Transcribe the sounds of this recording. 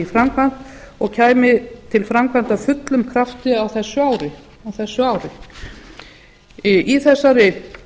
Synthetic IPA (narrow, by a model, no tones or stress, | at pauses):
ifɾamkʰvan̥t̪ɔɣcʰaːjmɪt̪ʰɪlfɾamkʰvan̥t̪afʏt̪lʏmkʰɾaft̪ɪawθɛsːʏaːwɾɪ | awθɛsːʏaːwɾɪ | ʔiθɛsːaɾɪ